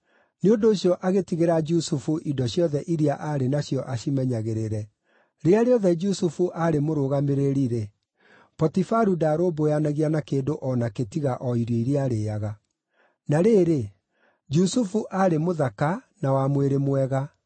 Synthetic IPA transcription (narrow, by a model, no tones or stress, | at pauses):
neondoːɕjɔʔaɣetiɣeɾad͡ʒusufuʔidɔɕjɔðɛʔiɾiaʔaɾenaɕjɔʔaɕimɛɲaɣeɾeɾɛ | ɾeaɾeɔðɛd͡ʒusufuʔaɾemoɾoɣameɾeɾiɾe | pɔtifaɾudaːɾoːbojanaɣianakeːndoʔɔnaketiɣaʔɔiɾeiɾeaɾeaɣa | naɾeːɾe | d͡ʒusufuʔaɾemoðakanawamweɾemwɛɣa